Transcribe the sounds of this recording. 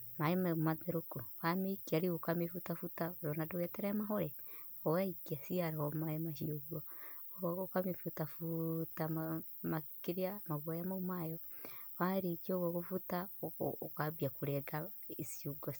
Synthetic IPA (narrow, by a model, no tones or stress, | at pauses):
maemamaðeɾukuwameikiaɾiokamefutafutaɾonadoweteɾamaɦoɾe | owaikiasiaɾaomaemaʃioɡo | okamifutafutama | makiɾiamaɣwajamaumajowaɾikioɣokufuta̰ | kabiakuɾeɡaisiuɡos